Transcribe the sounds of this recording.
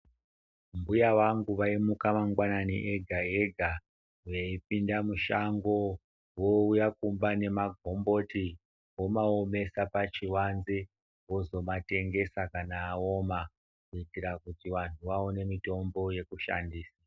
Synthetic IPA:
mbujaʋaŋɡuʋaimukamaŋɡwananiʔeɡʱaeɡʱa | ujeip̚indamuʃaŋɡo̞ | woujakumbane̞maɡʱo̞mbo̞ti | wo̞maome̞sapat͡ʃiwanzi | wo̞zo̞mate̞ŋɡe̞sakanaːo̞ma | kuitiɾakutiʋantʰuʋaone̞mito̞mbo̞je̞kuʃa̰ndiːsa

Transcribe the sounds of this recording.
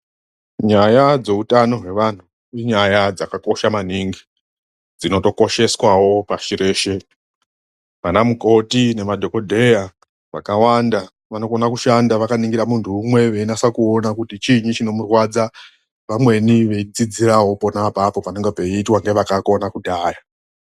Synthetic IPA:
ɲajad͡ze̞utano̞ɦwe̞ʋan̤u | iɲajad͡zakako̞ʃamaniŋɡi | d͡zino̞to̞ko̞ʃe̞swawo̞paʃiɾe̞ːʃe̞ | ʋanamuko̞tine̞madʱo̞ko̞dʱe̞ja | ʋa̰kawanda | ʋano̞konakuʃandaʋakaniŋɡiɾamuntʰuːmwe̞ʋe̞inasakuo̞nakutit͡ʃiɲit͡ʃino̞murwad͡za | ʋamwe̞niʋe̞id͡zid͡ziraɦo̞po̞napapo̞paneŋɡepe̞iːtwaŋɡe̞ʋakako̞nakudaːja

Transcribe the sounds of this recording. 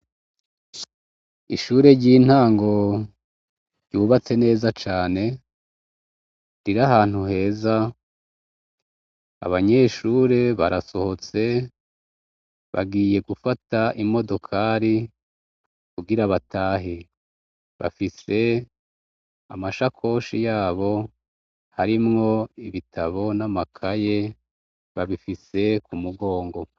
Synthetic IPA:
iʃuːɾe̞ɾɟiːn̥haːŋɡo̞ | ɾɟuːβat͡se̞ne̞ːzat͡ʃaːne̞ | ɾiɾaɦaːn̥huɦe̞ːza | a̰βaɲe̞ːʃuːɾe̞βaɾaso̞ho̞t͡se̞ | βa̰ɡiːje̞ɡufataʔimo̞do̞kʰaɾi | kuɡiɾaβataːɦe | βa̰fise̞ | amaʃakʰo̞ːʃijaːβo̞ | haɾimŋo̞iβitʰaβo̞namakʰaje̞ | βaβifise̞kumuɡo̞ːŋɡo̞

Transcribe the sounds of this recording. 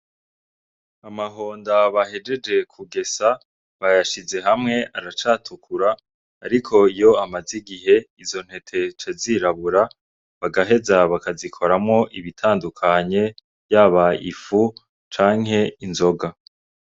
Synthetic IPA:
amaɦo̞ːndaβaɦe̞d͡ʒe̞d͡ʒe̞kʰuɡe̞sa | βajaʃize̞ɦamŋe̞ʔaɾat͡ʃaːtʰukʰuɾaː | ɾikʰo̞ijo̞amaziɡiɦe̞izo̞n̥he̞tʰe̞t͡ʃaziɾaβuɾa | βaɡaɦe̞zaβakazikʰo̞ɾamŋo̞ʔiβitʰaːndukʰaɲe̞ | jaβaḭfu | t͡ʃaːŋ̥ɦe̞inzo̞ɡa

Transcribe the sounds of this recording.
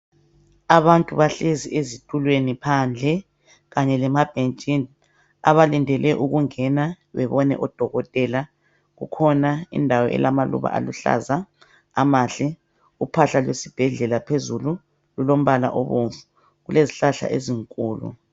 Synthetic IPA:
aβantʼuβaɬeziʔezitʼulwenipʰand͡ɮʱɛ | ɣaɲɛlɛmab̥ʱent͡ʃʼin | a̰βalindʱɛlɛʔuɣuŋɛna | βɛβɔnɛ̰ʔɔd̥ʱɔɣɔtʼɛla | ɣṵkʰɔnaḭndʱawɔ̰ʔɛ̰lamalṵβa̰ʔa̰luɬa̰za | amaɬɛ | upʰaɬalwesib̥ʱɛɮɛlapʰezulu | lulom̩βala̰ʔɔβoɱfu | ɣuleziɬaɬa̰ʔeziŋkʼuːlṵ

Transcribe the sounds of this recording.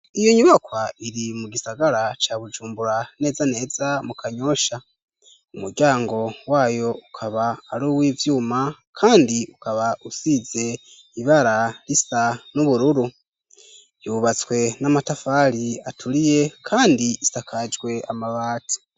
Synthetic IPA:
ijo̞ɲuβakwaiɾimuɡisaɡaɾat͡ʃaβud͡ʒuːmbuɾane̞ːzane̞ːzamukʰaɲo̞ʃa | umuɾɟaːŋɡo̞waːjo̞ukʰaβaːɾuːwiːvjuːmakʰaːndiukaβaʔusize̞ | iβaɾalisanuβuɾuɾu | juβat͡swe̞namatafaːɾiatʰuɾije̞kʰaːndiisakʰad͡ʒɡwe̞amaβaːti̥

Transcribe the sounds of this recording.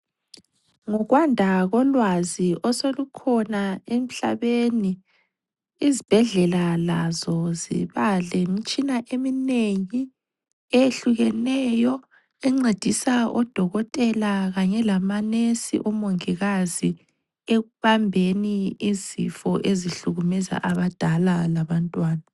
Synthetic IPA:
ŋɔɣwandʱaɣɔlwaziʔɔsolukʰɔnaem̩ɬa̰βeni | izib̥ʱɛɮɛlalazɔzḭβalemit͡ʃʼinaʔemineŋi | eeɬuɣɛnɛjɔ | ɛŋ͡ǀed̥ʱisaɔd̥ʱɔɣɔtʼɛlaɣaɲɛlamanesḭʔɔmoŋiɣazi | eɣuβambʱeniizḭfɔʔeziɬuɣumɛza̰ʔaβad̥ʱalalaβantʼwaːna

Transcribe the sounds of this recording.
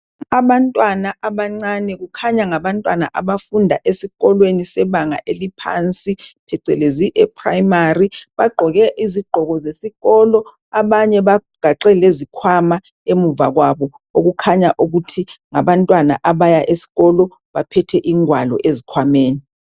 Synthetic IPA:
aβantʼwanaʔaβaŋ͡ǀanɛɣukʰaɲaŋaβantʼwanaʔaβafundʱaʔesiɣɔlwenisɛβaŋa̰ʔelipʰa̰nt͡sʼipʰɛǀɛleziʔɛpʰrajmariβaɡ͡ǃʱɔɣɛʔiziɡ͡ǃʱɔɣɔzesiɣɔlɔ | aβaɲɛβaɡ̥ʱaǃɛlezikʰwama | emuvaɣwaβɔ | oɣukʰaɲaʔuɣutʰiŋaβantʼwana̰ʔaβajaʔesi̥ɣɔlɔ | βapʰɛtʰɛʔiŋwalɔ̰ʔezikʰwameːni

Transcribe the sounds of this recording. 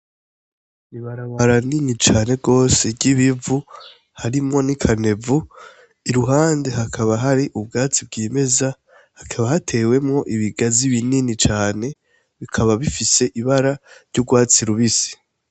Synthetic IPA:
niβaɾaβaɾaninit͡ʃaːne̞ɡo̞ːseɟiβivu | haɾimŋo̞nikʰane̞vu | iɾuɦaːnde̞ɦakʰaβaɦaɾiʔub̚ɡaːt͡sib̚ɡiːme̞za | hakʰaβahatʰe̞ːwe̞mŋo̞ʔiβiɡaziβininit͡ʃaːne̞ | βikʰaβaβifise̞ʔiβaɾaɾɟuɡwaːt͡siɾuβisi̥

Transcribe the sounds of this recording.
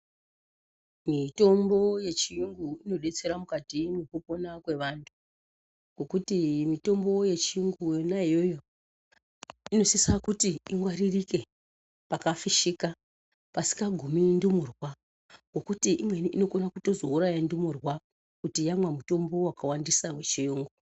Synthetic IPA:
mito̞mbo̞je̞t͡ʃijuŋɡuino̞ɗe̞t͡se̞ɾamukatinekupo̞nakwe̞ʋantʰu̥ | ɡo̞kutimito̞mbo̞je̞t͡ʃiuŋɡujonaijojo̞ | ino̞sisakutiiŋɡwaɾirike̞ | pakafiʃika | pasi̥kaɡʱumindumurwa | ɡo̞kutiʔimwe̞niino̞konakuto̞zo̞uɾajandumurwa | kutijamwamuto̞mbo̞wakawandisawe̞t͡ʃijuːŋɡu

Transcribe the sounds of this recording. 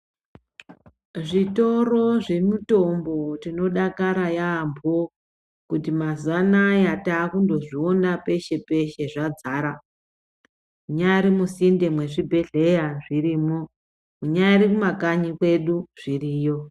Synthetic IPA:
ʐito̞ro̞ʐe̞muto̞mbo̞tino̞ɗakaɾajaːmbo | kutimazanajataːkundo̞ʐionape̞ʃe̞pe̞ʃe̞ʐad͡zaːɾa | muɲaɾimusinde̞mwe̞ʐibʱe̞ɮe̞jaʐiriːmo̞ | uɲaɾikumakaɲikwe̞ɗuʐ̥iriːjo̞

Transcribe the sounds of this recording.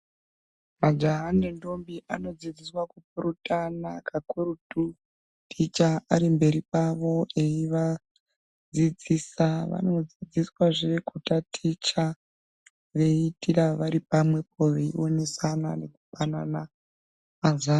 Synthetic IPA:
mad͡ʒaɦanendo̞mbiʔano̞d͡zid͡ziswakup̚urutanakʰakuɾutu | tʰit͡ʃaaɾimbe̞ɾipaʋo̞e̞iʋa | d͡zid͡zisaʋa̰no̞d͡zid͡ziswaʐeekʰutatʰit͡ʃa | ʋe̞itiraʋaɾipamwe̞pʰo̞ʋe̞ḭone̞sana̰ne̞ku̥fanana | mazaːn

